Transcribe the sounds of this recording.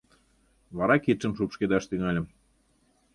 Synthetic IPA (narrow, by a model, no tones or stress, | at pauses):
βɑɾɑkit̪ʃəmʃupʃked̪ɑʃt̪yŋɑlʲə̆m